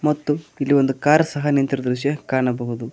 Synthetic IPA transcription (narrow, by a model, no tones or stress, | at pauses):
mɐt̪ːuilːiʋo̞nd̪ukaːɾɐsɐɦɐnint̪ɾɐd̪ɾuʃjɐkaːɳɐbɐɦud̪u